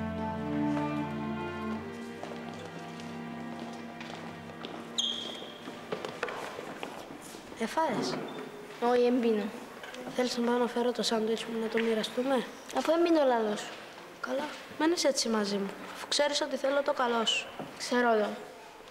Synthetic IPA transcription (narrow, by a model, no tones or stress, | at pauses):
efɐes | oiembino | θelisnɐponɐfeɾot̪osɐnd̪oit͡simunɐt̪omiɾɐst̪ume̞ | ɐfuembinolɐlosu̥ | kɐlo | meneset͡sːimɐzimufkse̞ɾisot̪iθelot̪okɐlo̞su̥kseɾot̪o